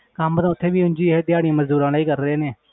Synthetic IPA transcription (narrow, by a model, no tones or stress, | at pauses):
kaːmət̪ãːʊt̪ʰːeːbiːʊ̃nd͡ʒiːɦeːd̪ɪjaːɽɪjãːməzd̪uːɾãːlːiːkəɾɾeːneː